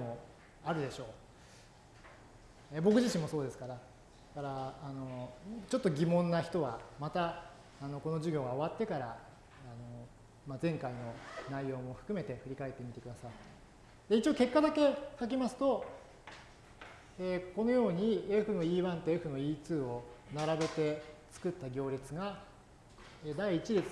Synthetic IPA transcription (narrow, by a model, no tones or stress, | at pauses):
mo̞ | aɾɯ̟d̪e̞ɕo̞ː | eːbo̞k̬ɯ̟ʑiɕĩmːo̞so̞ːd̪e̞sɨ̥kaɾa | kaɾaːno̞t͡ɕo̞t̪ːo̞ɡʲimõ̞nːaçi̥t̪o̞βamat̪aː | no̞ko̞no̞ʑiɡʲo̞ːɡao̞βat̪ːe̞kaɾaː | no̞ | mazẽ̞ŋkaino̞naijo̞ːmo̞ɸɯ̥kɯ̟me̞t̪e̞ɸɯ̟ɾʲikae̞t̪ːe̞mʲit̪e̞kɯd̪asai | d̪̥e̞it͡ɕioke̞kːad̪ake̞kak̬ʲimasɨ̥t̪o̞ | eːko̞no̞jo̞ːɲ̟ieɸɯ̟no̞iːβãnt̪oe̞ɸɯ̟no̞iːt͡sɨːo̞naɾabe̞t̪e̞t͡sɨ̥kɯ̟t̪ːaɡʲo̞ːɾʲet͡sɨɡa | eːd̪aiːt͡ɕiɾe